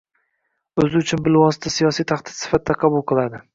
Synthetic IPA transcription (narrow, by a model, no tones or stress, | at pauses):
ɵzɪʊt͡ʃʰʊnbɪlvɒsɪt̪ʰasijɒsijt̪ʰaχd̪ɪ̥d̪sɪ̥fat̪̚ːd̪aqʰɑbʊlˠqɨlˠad̪ɪ